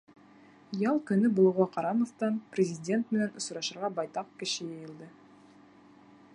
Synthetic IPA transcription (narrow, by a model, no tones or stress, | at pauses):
jɑlˠkʲɵ̆nɪbolˠuʁɑqʰɑɾɑnovt̪ɑnprʲezʲidʲe̞nt̪menenʊ̆sɾɑʃə̆ɾʁɑbɑjt̪ɑq̚kʲɪ̆ʃɪjejɪ̆lˠd̪ə